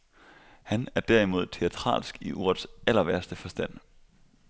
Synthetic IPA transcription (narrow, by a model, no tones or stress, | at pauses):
hænæɐd̥æɐ̰imo̝ð̞̰ˠt͡sʰe̝æt͡sʰʁɑ̰̈ːlsɡ̥iʔuɐ̰ðˠsel̰ɐʋæɐsd̥əfɒ̽sd̥æn̰